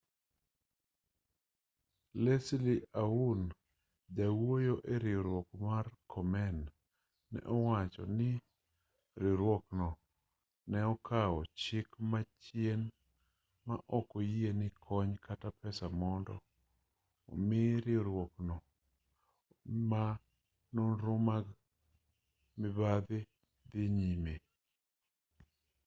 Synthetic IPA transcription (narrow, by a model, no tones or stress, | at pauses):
lesliaun | d͡ʒawojoʔeɾɪɾwɔkmarkʰɔmɛnː | ɛ̰ʔɔwat͡ʃɔ̰nɪ | ɾɪɾwɔknɔ | nɛɔkʰaɔt͡ʃɪkmat͡ʃjen | ma̰ʔɔkɔjenɪkʰɔɲkatapɛsamɔndɔ̰ | o̰mɪɾɪɾwɔknɔ | ma | nonɾʊmaɡ | mɪbad̪ɪ | d̪ɪɲime